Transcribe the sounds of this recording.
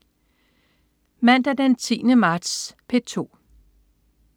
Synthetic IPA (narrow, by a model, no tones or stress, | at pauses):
mæn̰d̥æd̥ent͡sʰḭːnəmɑ̈ːd̥spʰe̝t͡sʰo̝̰ː